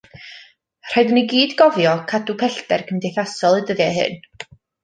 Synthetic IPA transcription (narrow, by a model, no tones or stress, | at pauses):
r̥ajdəniɡiːdɡɔvjɔkʰadupʰɛɬdɛrkʰəmdejθasɔlˠɨdəðjɛɦɨ̰n